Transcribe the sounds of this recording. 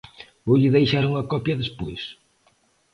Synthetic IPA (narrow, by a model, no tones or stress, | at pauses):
oʎɪðejʃaɾuŋɐkɔpjɐðespojs